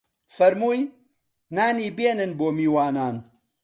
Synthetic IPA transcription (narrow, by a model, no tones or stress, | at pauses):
fɐɾmuːj | naːniːbeːnɨnboːmiːwaːnaːn